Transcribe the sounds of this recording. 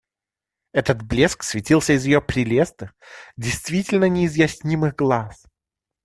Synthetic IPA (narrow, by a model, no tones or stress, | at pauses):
ɛt̪ət̪blʲesksvʲɪtʲilˠsʲəɪzjɪjopɾʲɪlʲest̪ɨ | dʲɪjst̪vʲitʲɪlʲnənʲɪːzjɐsʲnʲimɨɣɡlˠas